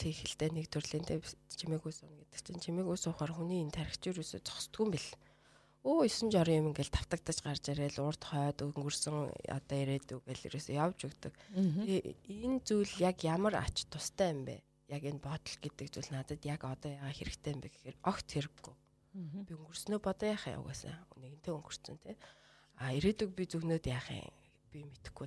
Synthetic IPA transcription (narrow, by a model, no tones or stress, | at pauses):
t͡sʰexɘ̆ɬt̪eːnekt̪ʰɵrɮiːnt̪ʰet͡ɕʰimĕːkujsʊːnɡet̪ɘ̆kt͡ɕʰɪ̆nt͡ɕʰimeːkujsʊːχaːrxuniːint̪ʰæɾʲɪ̆kt͡ɕuːɾuːsḛːt͡sʰɔ̥kst̪ɡuːmpiɮ̆ | oːisɘ̆nt͡ɕɔɾɞjʊmɘ̆ŋɡeɮt̪ʰḁw̥t̪ə̆k̚t̪ə̆t͡ɕɢart͡ɕeɾeːɮʊr̥t̪χœːt̪uŋɡɵrsɘ̆ŋɔ̰t̪ɔːeɾeːt̪upæːɮḭɾesejawt͡ɕɵkt̪ɞ̆keent͡sujɮjakjamə̆ra̰t͡ɕt̪ʰːʊst̪ʰæːmpæ̰ː | jakenpɔt̪ɞ̆ɮɡet̪ɘ̆k̚t͡suɮnat̪ə̆t̪jakɔt̪ɔːjaːʁaːxeɾɘ̆kt̪ʰeːmpeɡe̥xerɔxt̪ʰxeɾɘ̆ɡːuj | pʲiɵŋɡɵ̆r̥snoːpɔt̪ɔjaːχja̰wɣæ̰ːsa̰neɣɘ̆nt̪ʰeːɵŋɡɵ̆r̥t̪sɵ̆nt̪ʰe | aeɾeːt̪uk̚pit͡suɣnoːt̪jaːχḭŋ | pʲimet̪ɘ̥̆xɡu